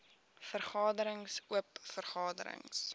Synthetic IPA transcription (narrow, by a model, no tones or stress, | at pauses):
fərχɑːdəɾəŋsuəpfərχɑːdəɾə̰ŋs